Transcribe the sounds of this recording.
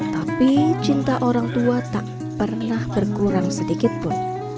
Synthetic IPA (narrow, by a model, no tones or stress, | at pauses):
t̪apit͡ʃint̪aʔoɾaŋt̪uat̪aʔ | pərnahb̥ərkuɾaŋsədikɪt̪̚pʊn